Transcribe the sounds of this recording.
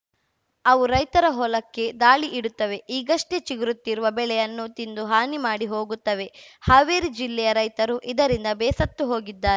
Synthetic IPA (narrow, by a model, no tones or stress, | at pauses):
ɐʋuɾɐjt̪ɐɾɐɦɔlɐkːe̞d̪aːɭiʔiɽut̪ːɐʋe̞iːɡɐʂʈet͡ʃiɡɾut̪ːiɾuʋɐbɛɭɛjɐnːut̪ind̪uɦaːnimaːɽiɦo̞ːɡut̪ːɐʋe̞haːʋeːɾid͡ʒilːɛjɐɾɐjt̪ɐɾuʔid̪ɐɾind̪ɐbɛːsɐt̪ːuɦo̞ːɡid̪ːaːɾe